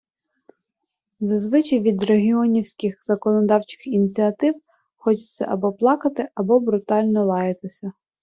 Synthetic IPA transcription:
zɐzʋɪt͡ʃijʋʲid̪reɦʲiɔnʲiwsʲkɪxz̥ɐkɔnɔd̪ɑwt͡ʃɪ̥xinʲit͡sʲiɐt̪ɪw | xɔt͡ʃɪ̥t͡sʲsʲɐ̰ʔɐbɔplˠɑkɐt̪ɪɐbɔbɾʊt̪ɑlʲnɔlˠɑjet̪ɪsʲɐ

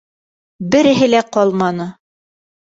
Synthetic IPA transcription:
bɘ̆ɾɘ̆ɦɘ̆læqɒlˠmɑnɤ

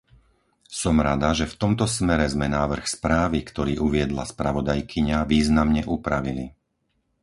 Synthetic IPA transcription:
sɔmɾad̪aʒɛft̪ɔmt̪ɔsmɛɾɛzmɛnaːʋr̩xspɾaːʋikt̪ɔɾiːʔuʋɪɛd̪la̰spɾaʋɔd̪ajkʰiɲaʋiːznamɲɛʔupɾaʋili

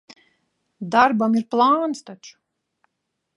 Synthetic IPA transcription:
d̪aɾbamiɾplˠaːnst̪at͡ʃu̥

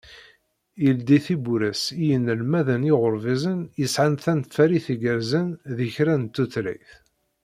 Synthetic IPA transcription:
ild̪iθibuɾəsijənːəlmæðənɪʁʊɾvizənjəsʕanθænt̪fæɾiθiɡəɾzənðəçɾænt̪ːuθlḭθ

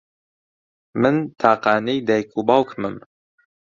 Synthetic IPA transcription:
mɨnt̪ʰaːqɑːnijd̪ɛjkʰubɑwkʰmɨm

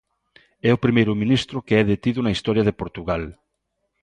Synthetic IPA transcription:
ɛopɾimejɾʊmĩnist̪ɾʊkeɛðet̪iðunaist̪ɔɾjaðepoɾt̪uɣal

